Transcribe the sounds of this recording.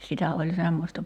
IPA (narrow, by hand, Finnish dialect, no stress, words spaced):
sitæ olʲ semːostɑ